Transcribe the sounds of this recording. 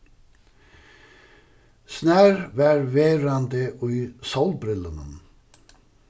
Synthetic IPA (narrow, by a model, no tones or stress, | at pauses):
snæːɹʋæːɹʋeːɾɑnd̪əʔʉʏsɔlbɾɪlənən